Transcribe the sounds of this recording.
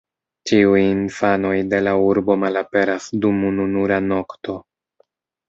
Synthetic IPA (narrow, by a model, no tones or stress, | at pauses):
t͡ʃiujinfano̞jde̞lauɾbo̞malape̞ɾasdumununuɾano̞kto̞